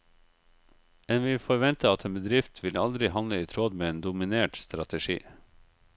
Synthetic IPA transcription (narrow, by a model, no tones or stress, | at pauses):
ɛːnʋɪlfɔɾʋɛnt̪əɑt̪ʰeːnbəd̪ɾɪft̪ʰʋɪlɑld̪ɾɪhɑnləiːt̪ʰɾoːd̪meːeːnd̪ʊmɪneːʈst̪ɾɑt̪əʃḭː